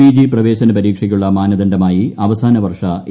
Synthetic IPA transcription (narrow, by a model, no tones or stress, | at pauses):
iːd͡ʑiprɐʋe̞ːɕɐnɐpɐɾiːkʂɐkʲːuɭːɐmaːnɐðɐndɐmaːjiɐʋɐsaːnɐʋɐrʂɐ